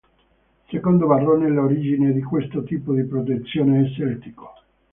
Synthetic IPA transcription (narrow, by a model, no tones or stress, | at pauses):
sekond̪ovarːɔneloɾid͡ʒined̪ikwest̪ot̪iːpod̪ipɾot̪et̪sːjoːneːsɛlt̪i̥ko̥